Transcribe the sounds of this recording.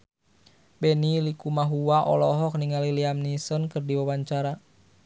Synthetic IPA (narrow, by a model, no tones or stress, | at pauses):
bɛnilikumaɦuwaʔɔ̰lɔɦɔk̚niŋaliliamnisɔnkɨrdiwawaɲt͡ʃaɾa